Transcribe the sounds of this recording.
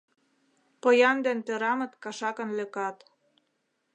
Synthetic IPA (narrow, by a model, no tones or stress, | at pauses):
pɤ̆jɑnd̪ĕnt̪ø̆ɾɑmɤ̆t̪kɑʃɑkɤ̆nlø̆kɑt̪